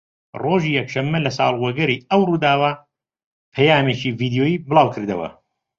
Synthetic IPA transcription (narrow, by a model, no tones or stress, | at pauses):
roːʒiːjɛkʃɐmːɐlɐsɑ̰ːlˠwɐɡɐɾiːɐwruːd̪aːwa | pʰɐjaːmeːt͡ʃiːviːd̪joːjiːbɨlɑːwkʰɨɾd̪ɐwɐ̰